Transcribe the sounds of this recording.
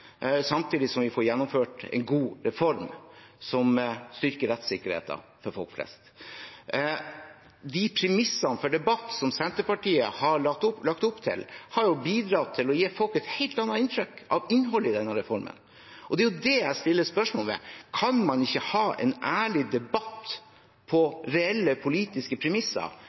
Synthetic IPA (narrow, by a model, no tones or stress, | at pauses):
sɑmt̪ʰiːd̪ɪsɔmʋɪfɔɾjɛnːɔmføːʈɛ̰ɪnɡuːɾɛfɔɾmsɔmst̪ʏɾkəɾɛt̪sɪkːəɾhḛːt̪ɑ̰fɔɾfɔlkflɛ̰st̪ | d̪ɪpʰɾɛmɪsɑnfɔɖɛbɑt̪ːsɔmsɛnt̪əpɑʈiːəhɑɑʊlɑkt̪ʊpːt̪ʰɪ̰lhɑɾjʊbiːd̪ɾɑːt̪ʰːɪlɔjeːfɔlkɛt̪hɛɪlt̪ɑnːɑɪnt̪ʰɾʏkʔɑʋɪnɦɔlːɪd̪ɛnːəɾɛfɔɾmʔə̰n | ʔɔd̪ɛjʊd̪ɛæɪst̪ɪlːəspœʂmoːlmɛ̰kʰɑnmɑnɪçːəhɑːʔɛ̰nʔæːɭɪd̪ɛbɑt̪ː | pʰɔɾɛɛlːəpʰʊliːt̪ɪskəpʰɾɛmɪsɑ̰ɾ